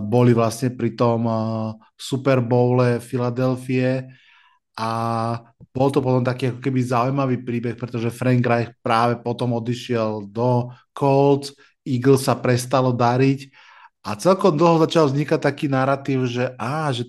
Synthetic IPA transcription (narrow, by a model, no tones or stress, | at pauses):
bɔliʋlasɲɛpɾit̪ɔm | supɛɾbɔʊlɛfilad̪ɛlfiɛ | a | b̥ɔlt̪ɔpɔt̪ɔmt̪akiːakɔ̥kɛbizaujmaʋiːpɾiːbɛxpɾɛt̪ɔʒɛfɾɛŋkɾajxpɾaːʋɛpɔt̪ɔmɔd̪iʃɪɛld̪ɔkʰɔlt͡s | iɡl̩sapɾɛst̪alɔd̪aɾic | at͡sɛlkɔmd̪l̩ˠɦɔzat͡ʃalvzɲikac̚t̪akiːnaɾat̪iːʊʒɛʔaːʒɛ